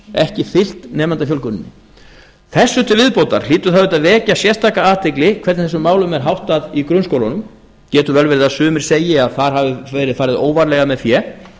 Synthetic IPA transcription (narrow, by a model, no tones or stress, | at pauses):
ɛhcɪfɪl̥t̪nɛːmant̪afjœlkʏnɪ̰nːɪ̰ | θɛsːʏt̪ʰɪvɪðpowt̪a̰ɾ̥liːt̪ʏθaðʏt̪aðvɛːcasjɛst̪ʰaːkaaːt̪ɪklɪkʰvɛt̪nɪθɛs̬ːʏmːaːwlʏmɛɾ̥ɦawht̪aðikɾʏnskowlanʏm | cɛːt̪ʏvɛlvɛɾɪðasʏːmɪɾ̥seːjɪaðθaɾ̥ɦavɪveːjɾɪðfaːɾɪðoːwvaɾlɛːɣamɛðfjɛː